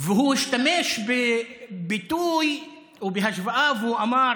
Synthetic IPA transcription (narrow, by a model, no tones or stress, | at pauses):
vɦuːɪʃt̪ameːʃb | bɪt̪uːj | wbɪɦaʃbaʔaːvuːʔamɑːɾˤ